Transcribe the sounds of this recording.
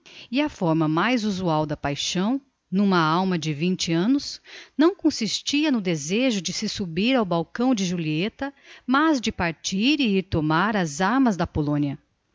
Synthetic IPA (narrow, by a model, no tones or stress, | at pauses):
ɪɐfɔɾmɐmajzuzuawd̪ɐpajʃɐ̃w̃ | nũmɐawmɐd͡ʒɪvĩnt͡ʃɪɐ̃nʊsnɐ̃w̃kõsist͡ʃiɐnʊd̪ezeʒʊd͡ʒɪsɪsubiɾawbawkɐ̃w̃d͡ʒɪʒuliet̪ɐmɐzd͡ʒɪpaɾt͡ʃiɾɪiɾt̪omaɾɐzaɾmɐzd̪ɐpolõniɐ